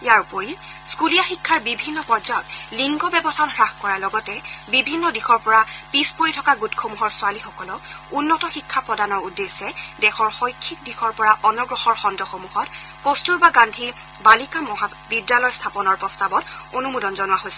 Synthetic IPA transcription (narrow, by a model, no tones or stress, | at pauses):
ijaɹupoɹi | skulijaxikʰːaɹbibʱinːɔpɔzajɔtliŋɡɔbɛbɔtʰanɦɹaxkɔɹaɹlɔɡɔtɛbibʱinːɔdixɔɹpɔɹapispoɹitʰɔkaɡutkʰomuɦɔɹsʊalixɔkɔlɔ | unːɔtɔxikʰːapɹɔdanɔɹudːesɛdɛxɔɹxojkʰːik̚dixɔɹpɔɹaʔɔnɔɡɹɔxɔɹxɔndɔxomuhɔt | kostuɹbaɡandʱi | balikamɔɦa | bidjalɔjstʰapɔnɔɹpɹɔstabɔtonumudɔnzɔnʊwaɦojsɛ̥